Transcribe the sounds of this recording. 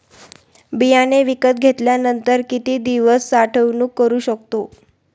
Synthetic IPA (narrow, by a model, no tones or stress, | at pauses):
bijaneʋikət̪̚ɡʱet̪ljanənt̪əɾkit̪iːd̪iʋəsːaʈʰəʋnuːkːəɾuːɕək̚t̪o